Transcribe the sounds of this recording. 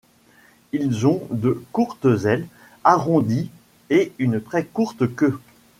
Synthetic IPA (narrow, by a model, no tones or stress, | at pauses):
ilzɔ̃d̪əkuʁt̪əzɛl | aʁɔ̃d̪i | eynt̪χɛkuʁt̪kʲø